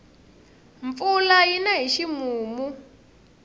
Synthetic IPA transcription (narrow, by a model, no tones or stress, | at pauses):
ɱfulajinaɦiʃimuːmu